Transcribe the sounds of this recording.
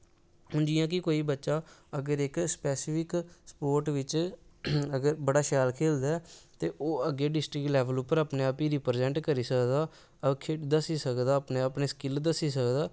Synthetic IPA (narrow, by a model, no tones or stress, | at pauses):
hʊnd͡ʒijãːkɪkoːiːbətːʃaːəɡəɾɪkspɛːsɪfʰɪkspoːɾʈʋɪt͡ʃ | əɡəɾbəɽaːʃɛːlkʰeːld̪aɛt̪eːʔoːəɡeːɖɪsʈɾɪklɛːʋəluːpːəɾaːpneːaːpiːɾiːpəɾzɛ̃ːɳʈkəɾiːsəkd̪aː | əkʰed̪əsiːsəkd̪aːəpneːəpneːskɪld̪əsiːsəkd̪aː